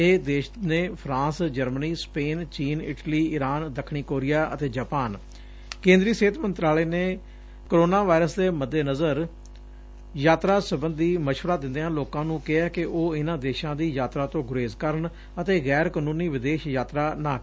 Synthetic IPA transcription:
eːd̪eːʃnẽːpʰɾãːsd͡ʒəɾməniːspeːnt͡ʃiːnɪʈliːɪɾaːnd̪əkʰːɳiːkoːɾɪjaːʔə̰t̪eːd͡ʒaːpaːn | kẽːnd̪ɾiːseːt̪ʰmə̃nt̪ɾaːleːneː | koɾoːnaːʋaːɪɾəsd̪eːməd̪ːeːnəzəɾ | jaːt̪ɾaːsəbənd̪iːməʃʋəɾaːd̪ɪ̃nd̪eːɦãːloːkãːnũːkɪɛːkɪʔoːɪnãːd̪eːʃãːd̪iːjaːt̪ɾaːt̪õːɡʊɾeːzkəɾɳ | ət̪eːɣɛːɾkənũːniːʋɪd̪eːʃjaːt̪ɾaːnaː

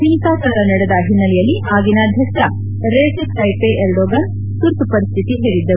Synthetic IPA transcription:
pinkaːsɐɾɐnɐɽɛd̪ɐɦinːɐlɛjɐlːiʔaːɡinaːd̪ʱjɐkʂɐ | ɾeːsesʈɐjpeʔeɾɖoːɡɐn | t̪uɾt̪upɐɾist̪ʰit̪iɦeːɾid̪ːɐu

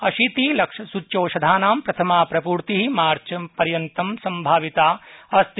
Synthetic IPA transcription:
ɐʃit̪ilɐkʂɐsut͡ʃːt͡ʃoːʃɐd̪ʱaːnaːmpɾɐt̪ʰɐmaːpɾɐpuːɾt̪iɦimaːɾt͡ʃɐpɐɾjɐnt̪ɐmsɐmbʱaːʋit̪aːɐst̪

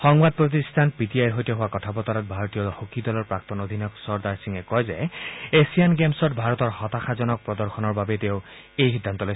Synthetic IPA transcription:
xɔŋbad̚pɹot̬istʰanpitiajɦojtɔɦʊwakɔtʰapɔt̪ɔɾɔt̪̚bʱaɹɔt̪ijɔhokidɔlɔɹpɹak̚t̪ɔnod̪ʱinɔksɔɹd̪aɹsiŋɛkɔjzɛesijanɡemsɔtbʱaɹɔt̪ɔɹhɔt̪axazɔnɔk̚pɹɔd̪ɔɹxɔnɔɹbabɛteʊ | ejxid̪ʱːant̪ɔloj

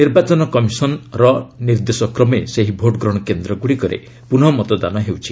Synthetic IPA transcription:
niɾbat͡ʃɔnɔkɔmisɔnɾɔniɾd̪esɔkɾɔmeseɦibʱoʈɡɾɔɽ̃ɔkend̪ɾɔɡuɽikɔɾḛ | pun̤ɔmɔt̪ɔd̪anɔɦewt͡ʃʰi

